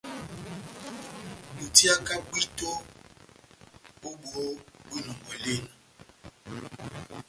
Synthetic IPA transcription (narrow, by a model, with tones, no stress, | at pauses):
nũ˨t̪i˦a˦ka˦ɡ͡bi˦t̪o˦ | o˦ɡ͡bu˦˨o˦ɡ͡bi˦nũ˨mɔ̃˨le˦nã˨